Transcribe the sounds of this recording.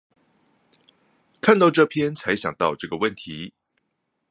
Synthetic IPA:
kʰa˥˧nt̪ɑ˥˧ʊʈ͡ʂɤ˥˧pʰjɛ˥nt͡sʰa˧˥ɪɕjɑ˨˩ŋt̪ɑ˥˧ʊʈ͡ʂɤ˥˩ɡə˩wə˥˩nt̪ʰi˨˦

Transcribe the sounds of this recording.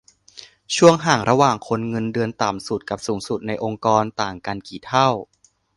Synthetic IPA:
t͡ɕʰu˥˩əŋɦaː˨˩ŋɾa˧waː˨˩ŋkʰo˧nŋɤ˧ndɯ˧ənt̪a˨˩msu˨˩t̪̚ka˨˩p̚suː˩˦ŋsu˨˩t̪̚na˧jʔo˧ŋkɔː˧nt̪aː˨˩ŋka˧nkiː˨˩t̪ʰa˥˩w

